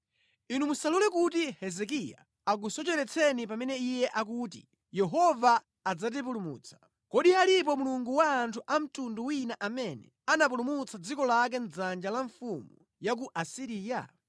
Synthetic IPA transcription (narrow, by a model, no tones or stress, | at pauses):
inumusalulɛkut̬ihɛzɛkija̰ | ak̬usɔt͡ʃɛɾɛt͡sʰɛnipamɛnɛijɛʔakutḭ | jɛɦɔvaː | d͡zat̬ip̬ulumṵːt͡sʰḁ | kɔɗialip̬ɔmuluŋɡuwaːntʰuʔam̩tunduwinaʔamɛnɛ̰anap̬ulumut͡sʰad͡zikɔlak̬ɛn̩d͡zand͡ʒalaɱfumu | jak̬uʔasiɾiːja̰